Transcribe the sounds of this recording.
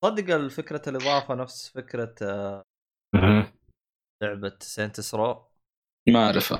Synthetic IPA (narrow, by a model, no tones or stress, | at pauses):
sˤɑd̪ːɪɡɑlfɪkɾalʔɨðˤɑːʕfanafsfɪkɾa | mm̩ | lʊʕbat̪seːnt̪ɪsɾˤɑːʔ | maʕɾɪfa̰